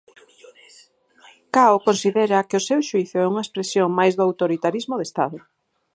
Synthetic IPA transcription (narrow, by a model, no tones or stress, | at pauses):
kaokonsiðɛɾɐkɪʊsewʃuiθʊɛuŋɐespɾesjoŋmajzðʊawt̪oɾit̪aɾizmoðest̪a̰ðʊ